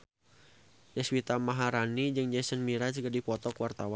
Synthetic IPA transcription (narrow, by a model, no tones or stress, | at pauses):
dɛswit̪amaɦaɾanid͡ʒɨŋd͡ʒɛsənmiɾad͡ʒuɡadipɔt̪ɔkwart̪awan